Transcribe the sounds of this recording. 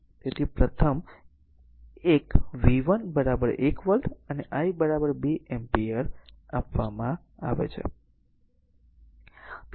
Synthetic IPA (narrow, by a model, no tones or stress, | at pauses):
t̪et̪ʰipɾət̪ʰəm | ekʋiʋənbəɾabəɾekʋəlt̪əneʔaibəɾabəɾbeʔɛmpiəɾapʋamã | aʋḛt͡ʃʰḛ | t̪